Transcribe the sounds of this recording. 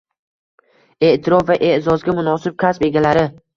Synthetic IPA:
e̞ʔt̪ʰɪɾɒfvaʔe̞ʔzɒzɡʲamʊnɒsɪb̚kʰʲaspe̞ɡʲalaɾɪ

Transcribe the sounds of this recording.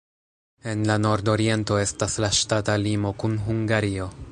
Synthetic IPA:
e̞nlano̞ɾdo̞ɾie̞nto̞e̞staslaʃtatalimo̞kunɦuŋɡaɾio̞

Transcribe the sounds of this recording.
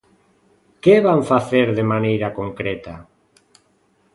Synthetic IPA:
keβaɱfaθeɾðemanejɾakoŋkɾet̪a

